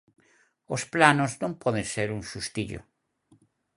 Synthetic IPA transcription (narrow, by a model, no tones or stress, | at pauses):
osplanoznõmpɔðẽnseɾuŋsust̪iʎo̰